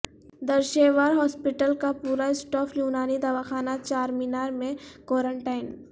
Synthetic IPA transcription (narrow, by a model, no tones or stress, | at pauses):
d̪əɾʃeːʋaːɾɦɔːspɪʈəlkapuːɾaɪsʈɔːfʰjuːnaːnid̪aːʋaxaːnat͡ʃaːɾminaːɾmẽkɔːɾə̃ɳʈaːɪn